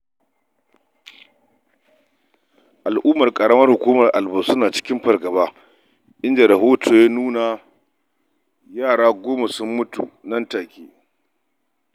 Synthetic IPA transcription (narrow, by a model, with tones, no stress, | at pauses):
ʔa˨lʔuː˦mɐ˨rkʼɐ˨ɽɐ˦mɐ˦rhʊ˨kʷuː˦mɐ˨rʔa̰˨lbɐ˦sʊ˦naː˨t͡ʃɪ̥˦kʲɪ˦mɸɐ˨rɡɐ˨baː˦ | ʔɪ˦nd͡ʒa˨ɾɐ˨ɦoː˦tʰoː˨ja˦nuː˦na˨ | jaː˦˨ɽaː˦ɡʷoː˦ma˨sʊ˦mːʊ˦tṵ˨nɐ˦ntaː˨kʲeː˦